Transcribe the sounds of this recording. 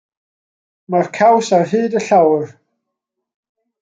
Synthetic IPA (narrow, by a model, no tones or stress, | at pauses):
markʰawsarɦɨːdəɬawr